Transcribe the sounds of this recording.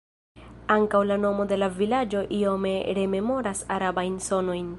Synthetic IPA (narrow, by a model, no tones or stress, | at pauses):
aŋkawlano̞mo̞de̞lavilad͡ʒo̞ʔio̞me̞ɾe̞me̞mo̞ɾasaɾabajnso̞no̞jn